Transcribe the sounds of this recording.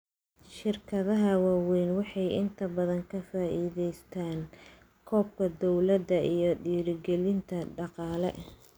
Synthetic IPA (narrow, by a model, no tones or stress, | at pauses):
ʃɪrkʰɐðɐɦɐwaːwɛjnwɑħɑjʔɪnt̪ʰɐbɐðɐŋkʰɐfaːʔiːðɛjst̪ʰaːn | kʰɔːb̚kʰɐd̪ɔwlɐd̪ɐʔijɞɖiːɾɪɡɛlɪnt̪ʰɐɖɑqɑːlɛ̰